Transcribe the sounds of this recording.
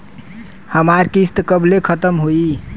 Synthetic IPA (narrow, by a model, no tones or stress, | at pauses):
həmaɾkist̪kəblekʰət̪əmɦoi